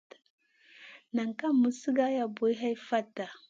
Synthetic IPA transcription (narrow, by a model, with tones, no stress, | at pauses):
na˨ŋka˦mːu˦si˦ɡa˦ja˨bo˨˦i˦ɦa˦jfa˦tːa˨